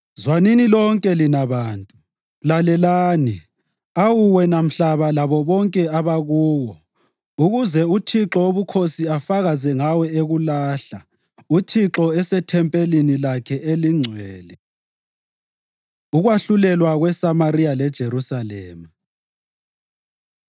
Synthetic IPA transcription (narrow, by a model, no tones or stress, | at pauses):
zwaninilɔŋkʼɛlinaβaːntʼu | lalɛlaːni | awuwɛnam̩ɬaβalaβɔβɔŋkʼɛaβaɣuːwɔ | uɣuzɛutʰiǁɔoβukʰosiafaɣazɛŋawɛeɣulaːɬa̰ | utʰiǁɔɛsɛtʰɛmpʼelinilakʰɛeliŋ͡ǀʱwɛːlɛ | uɣwaɬulɛlwaɣwɛsamaɾijalɛd̥ʒ̥ʱeɾusalɛːma